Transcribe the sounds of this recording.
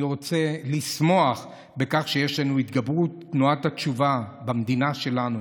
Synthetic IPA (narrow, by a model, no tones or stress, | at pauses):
ʁo̞t͡se̞lismo̞aχ | be̞kaχʃe̞je̞ʃlanuit̪ɡabʁutː | nuathatt͡ʃuvabamd̪inaʃe̞lanu